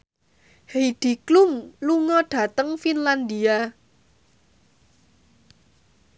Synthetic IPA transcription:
hejd̪̥i̤klumluŋɔɖ̥ä̤t̪əŋfinland̪ia

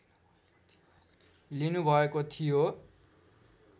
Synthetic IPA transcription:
linubʱʌekot̪ʰijo

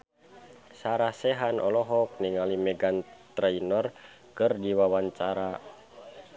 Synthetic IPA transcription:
saɾahsɛɦanʔɔlɔɦɔk̚niŋalimɛɡant̪ɾɛinɔr | kɨrdiwawaɲt͡ʃaɾa

